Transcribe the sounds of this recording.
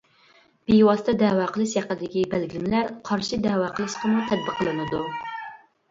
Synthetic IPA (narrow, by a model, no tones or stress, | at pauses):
b̥ijwɑst̪ɑd̪ɛwɑqʰəlˠɨʃjɑqəd̪ɪkʲibælɡʲilɪmɪlæɾqʰɑɾʃɨd̪ɛwɑqʰəlˠɨʃqəmut̪ʰɛd̪̚bəqʰːəlˠɨnɨd̪u